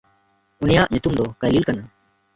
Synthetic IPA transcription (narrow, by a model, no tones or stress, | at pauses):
ʊnɪjãːʔɲʊt̪uːmd̪oːkəliːlkən